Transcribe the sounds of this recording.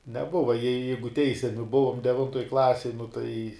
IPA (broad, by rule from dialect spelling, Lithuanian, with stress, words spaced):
nʲɛˈbʊʋɐ jɛɪ ˈjɛɪɡʊ ˈtʲɛɪsʲɛmʲɪ ˈbʊʋoːm dʲɛˈʋʲɪntoːj ˈklˠɑːsʲɛj nʊ tɐɪ